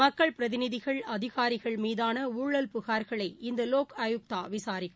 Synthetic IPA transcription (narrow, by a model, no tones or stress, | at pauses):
ɐkːɐɭpɪɾɐðɪnɪðɪɣɐɭɐðɪɣaːɾɪɣɐɭmiːðaːnɐuːɭɐlpʊɣaːɾɣɐɭɐɪɪnd̪ɐloːkɐjʊk̚t̪aːʋɪsaːɾɪɣɐ